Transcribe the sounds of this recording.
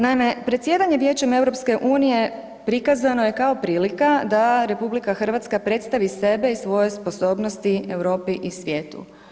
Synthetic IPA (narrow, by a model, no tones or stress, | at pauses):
naime̞pɾe̞t̪sje̞d̪aɲe̞ʋje̞ːt͡ɕeme̞wɾo̞pske̞ʔuːnije̞ | pɾikazanoje̞kao̞pɾiːlikad̪aɾe̞publikaxr̩ʋat̪skapɾe̞t̪st̪aʋise̞be̞isʋo̞je̞spo̞so̞ːbnost̪iewɾo̞ːpiʔisʋje̞ːt̪ṵ